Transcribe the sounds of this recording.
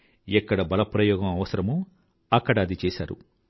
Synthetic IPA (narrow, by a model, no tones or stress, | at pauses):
ɛkːɐɽɐbɐlɐpɾɐjɔːɡɐmɐʋɐsɐɾɐmu | ɐkːɐɽɐːd̪it͡ʃeːsa̰ːɾṵ